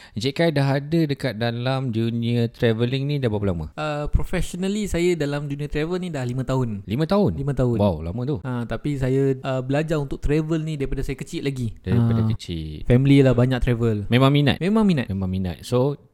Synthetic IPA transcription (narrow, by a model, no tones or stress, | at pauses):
d͡ʒɛʔkajdaɦadədəkat̪̚dalamd͡ʒuniət̪ɾɛvəliŋnidabapəlamə̰əpɾofɛsonəlisajədalamd͡ʒuniət̪ɾɛvəlnidahlimə̃t̪aɦʊnlimə̃t̪aɦʊnlimə̃t̪aʊwawla̰mə̃t̪uat̪apisajəʔəbəlad͡ʒaɾunt̪ʊk̚t̪ɾɛvəlnidaɾipadasajakət͡ʃit̪̚laɡidaɾipadakət͡ʃḭt̚fɛmililahbaɲak̚t̪ɾɛvəlmẽmãŋmina̰t̪̚mẽmãŋminat̪memãŋmina̰t̪̚so